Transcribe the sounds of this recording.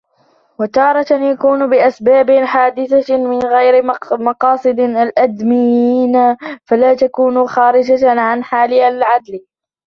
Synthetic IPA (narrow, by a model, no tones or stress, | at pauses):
wat̪ɑːɾˤɑt̪njakuːnʊbɪʔasbaːbɪħaːd̪ɪθamɪnɣajɾɪmɑqɑːsˤɨd̪alʔad̪mɪjiːnafalaːt̪akuːnʊxaːɾɪd͡ʒaʕanħaːlɪalʕad̪l